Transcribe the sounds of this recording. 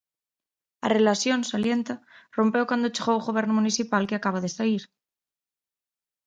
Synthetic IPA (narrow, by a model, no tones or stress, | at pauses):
a̰relasjo̞nsalje̞nt̪aro̞mpewkwand̪ot͡ʃeɣowuɣoβeɾnomuniθipalkeakaβaðesaiɾ